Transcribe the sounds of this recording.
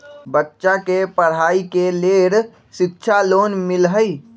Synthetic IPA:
bətːʃakepəɽ̤aːikeleɾ | ʃɪk̚t͡ʃʰaloːnmɪlɦəi

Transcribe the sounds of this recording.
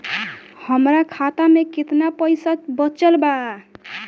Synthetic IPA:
həmɾakʰat̪amekit̪napəjsat̪bət͡ʃəlba

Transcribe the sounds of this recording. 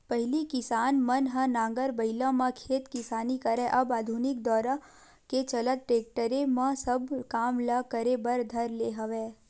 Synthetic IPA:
pəɦɪlikɪsaːnmənɦãnãːŋɡəɾbəɦɪlãmãkʰeːt̪kɪsaːnikəɾɛ̃ʔɐbaːd̪ʱunɪk̚d̪ɔːɾa | ket͡ʃɐlət̪̚ʈɾeːk̚ʈəɾemãsəbkaːmləkəɾebəɾd̪ʱəɾleɦəʋeː

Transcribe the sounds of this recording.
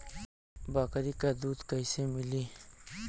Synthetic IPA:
baːkɐɾikad̪uːd̪kajsemili

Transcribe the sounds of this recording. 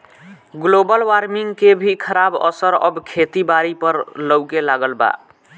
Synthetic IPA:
ɡlobəlwaɾmiŋɡkebʱikʰəɾabə̰səɾə̰bkʰet̪ibaɾipəɾləwkelaɡəlba̰

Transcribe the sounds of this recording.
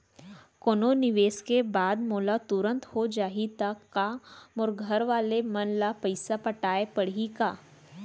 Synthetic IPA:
koːnonɪʋeːskebaːd̪moːlat̪ʊɾə̃nt̪hod͡ʒaːɦit̪akːamʊɾɡʱəɾʋaːlemɐnlapəɪsapɐʈaːepɐɽikaː

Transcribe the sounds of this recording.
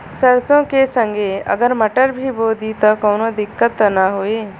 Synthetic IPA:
sɐɾsõkesə̃ŋɡeɐ̰ɡəɾmɐʈəɾbʱiboːd̪it̪ɐkɐwnod̪ɪkːət̪ːɐnaɦoeː

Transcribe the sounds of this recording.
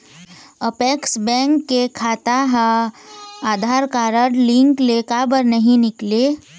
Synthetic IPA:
əpeːksbɛ̃ːŋkːekʰaːt̪aɦã | aːd̪ʱaːɾkaːɾəɾlɪ̃ŋkleːkabəɾnɐɦĩnɪkle

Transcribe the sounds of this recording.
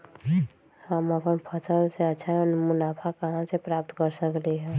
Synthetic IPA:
həməpənpʰəsəlseətːʃʰanmʊnapʰakəɦãsepɾap̚t̪kəɾsəkleɦɛ̃

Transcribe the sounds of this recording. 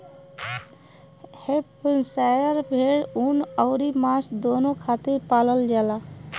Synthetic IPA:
heppənsajəɾbʱeɽunəʊɾimaːsd̪oːnokʰaːt̪iɾpaːləld͡ʒaːla

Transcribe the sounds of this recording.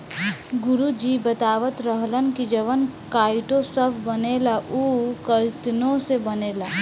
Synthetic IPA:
ɡʊɾud͡ʒibət̪aːʋət̪ɾəɦlənkid͡ʒəʋənkaːɪʈõsəbʱbəneːlaʔukəɾt̪nõsebɐneːlaː

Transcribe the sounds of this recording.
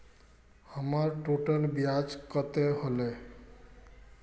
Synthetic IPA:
həmaɾʈoʈənbjad͡ʒkət̪eɦole

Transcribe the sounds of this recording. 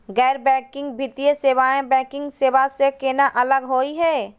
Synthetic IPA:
ɡɛːɾbɛ̃ːkɪ̃ŋɡbʱɪt̪ijeseːʋaːẽbɛ̃ːkɪ̃ŋɡseːʋasekenaʔɐləɡɦoːiɦɛː

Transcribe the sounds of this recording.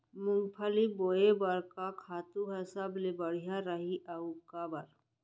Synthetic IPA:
mʊ̃ŋɡpʰəliboːebəɾkakʰaːt̪uɦɛsəblebəɽ̤ijaɾəɦiʔəukabəɾ

